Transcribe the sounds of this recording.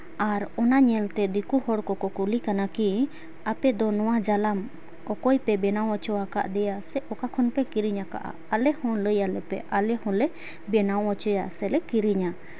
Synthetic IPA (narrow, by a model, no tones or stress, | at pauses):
aɾɔnaɲɛlt̪ɛd̪ikuhɔɽkɔkɔkulikanaki | apɛd̪ɔnɔ̃w̃ad͡ʒalam | ɔkɔjpɛbɛnaw̃ɔt͡ʃɔaka̰ʔd̪ɛjasɛɔkakʰɔnpɛkiɾiɲaka̰ʔa̰ | alɛhɔ̃ləjalɛpɛ̰ʔalɛhɔ̃lɛ | bɛnawɔt͡ʃɔjasɛlɛkiɾiɲa